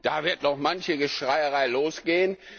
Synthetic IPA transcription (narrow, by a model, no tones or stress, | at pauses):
d̥aːvɪɐtdɔχmançəɡəʃʁ̥aɪəʁaɪloːsɡ̥eːən